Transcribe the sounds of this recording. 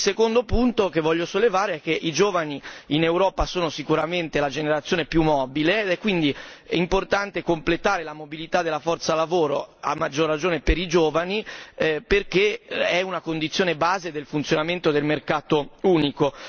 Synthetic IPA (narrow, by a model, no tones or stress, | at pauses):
ilsekond̪opunt̪okevːɔʎːosolːevaːɾeɛk̟ːeʔid͡ʒoːvaniinewɾɔːpasoːnosikuɾament̪elad͡ʒeneɾat̪sːjoːnepjumːɔːbiled̪ɛkːwind̪iimport̪ant̪ekomplet̪aːɾelamobilit̪ad̪ːelːafɔrt̪salavoːɾo̰a̰mːad͡ʒːorːad͡ʒoːnepeɾid͡ʒoːvaniperkeɛunakond̪it̪sːjoːnebaːzed̪elfunt̪sjonament̪od̪elmerkaːt̪ouːniko